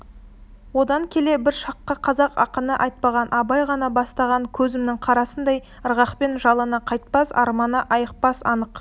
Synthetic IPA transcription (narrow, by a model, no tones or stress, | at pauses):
wo̞d̪ɑŋkʲʰe̞le̞bɪɾʃɑqːəqʰɑzɑqɑ̰qənəʔɑjt̪̚pɑʁɑnʔɑbɑjʁɑnɑbɑst̪ɑʁɑŋkʲʰɵzɪmnɪŋqʰɑɾɑsənd̪ɑj | əɾʁɑqpe̞nʒɑlˠənɑqʰɑjt̪̚pɑsɑ̰ɾmɑnəʔɑjəq̚pɑsɑ̰nəq